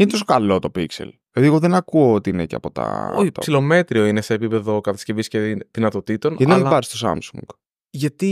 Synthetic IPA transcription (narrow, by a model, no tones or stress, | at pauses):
inet̪os̬o̞kɐlo̞t̪o̞piksḛlpeðiɣoðenɐkuoot̪iinḛceɐ̰po̞t̪ɐ̰oɐsilo̞me̞t̪ɾio̞ineseːpipe̞ðo̞kɐt̪ɐsce̞visceðinɐt̪o̞t̪it̪o̞nnɐnlɐvɐɾist̪o̞sɐ̰msṵŋɡ̥ | ʝɐt̪i